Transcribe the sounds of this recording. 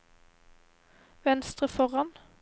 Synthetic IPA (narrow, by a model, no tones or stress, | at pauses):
ʋɛnst̪ʁəfɔʁɑn